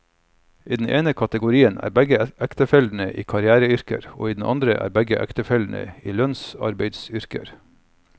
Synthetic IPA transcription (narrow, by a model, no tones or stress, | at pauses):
ʔiːd̪n̩ʔeːnəkʰɑt̪əɡʊɾiːənʔæ̰ːɾbɛɡəʔækt̪əfɛld̪n̩əʔiːkʰɑɾɪæːɾəʏɾkə̰ɾo̰ːiːd̪n̩ʔɑnd̪ɾəʔæ̰ːɾbɛɡəʔæ̰kt̪əfɛld̪n̩ə̰iːlœnsɑ̰ɾbeɪd̪sʏɾkə̰ɾ